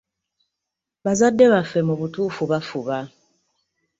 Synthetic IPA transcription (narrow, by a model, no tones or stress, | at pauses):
bazadːɛβafɛmɔbutufubafuβa